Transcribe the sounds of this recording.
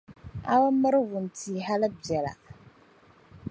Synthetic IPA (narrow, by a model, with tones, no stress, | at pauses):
a̰˦wa˦mə˦ɾɨ˦wʊ˨n˨tʰi˨ɦa˦lɨ˦bɛ˨la̰˨